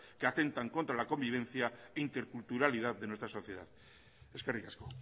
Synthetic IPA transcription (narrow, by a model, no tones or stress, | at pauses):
keat̪e̞nt̪aŋko̞nt̪ɾalako̞mbiβ̞ẽ̞n̟θjaeint̪e̞ɾkult̪uɾalið̞aððe̞nwe̞st̪ɾaso̞θje̞ð̞a̰ð | eskarikasko